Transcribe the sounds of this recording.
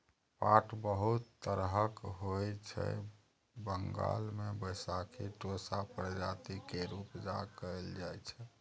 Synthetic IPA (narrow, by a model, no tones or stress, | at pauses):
paʈbəɦut̪ːəɾɦəkɦojt͡ʃʰɛ̰ | bəŋɡa̰lmebəjsakʰiʈosapɾəd͡ʒat̪ikeɾupd͡ʒakəeld͡ʒajt͡ʃʰɛ